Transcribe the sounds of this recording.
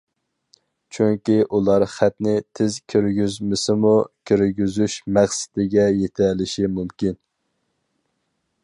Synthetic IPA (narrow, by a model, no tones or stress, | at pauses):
t͡ʃʰyŋkʲiʔulˠɑɾχæt̪nɪt̪ʰɪzkʲʰøɾɡʲyzmɪsɪmukʲʰøɾɡʲyzyʃmæχsɪ̥d̪ɪɡʲɛjet̪ʰɛlɪʃimumkʲin